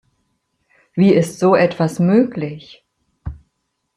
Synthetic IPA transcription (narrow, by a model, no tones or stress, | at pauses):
viːɪstz̥oːʔɛtv̥asmøːklɪç